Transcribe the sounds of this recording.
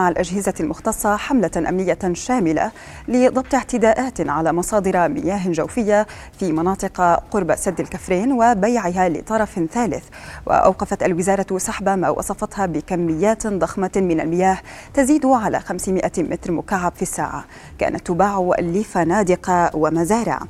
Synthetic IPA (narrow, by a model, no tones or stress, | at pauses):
maʕalʔaʒhɪzalmʊxt̪ɑsˤːɑħamlaʔa̰mnɪjːaʃaːmɪla̰ | lɪd̪ˤɑb̚t̪ˤɪʕt̪ɪd̪aːʔaːt̪ʕalaːmɑsˤɑːd̪ɨɾmɪ̰jaːɦʒawfɪjːa | fimɑnɑːt̪ˤɨqqʊɾbasad̪ːalkafɾeːnwɪbajʕɪɦalɪ̰t̪ˤɑɾˤɑfθaːlɪθ | wɪ̰ʔa̰wqɑfat̪alwɪzɑːɾˤɑsaħbama̰ːwʔɑ̰sˤɑfɑt̪hɑbɪkamːɪjːaːt̪d̪ˤɑxmamɪna̰lmɪjaːht̪aziːd̪ʊʕala̰xamsmɪʔamɪt̪ɾmʊkaʕːabfisːa̰ːʕa̰ | ka̰ːnʔat̪ːʊbaːʕʊʔa̰lːiːfanaːd̪ɪqɑwamazaːɾɪ̰ʕ̰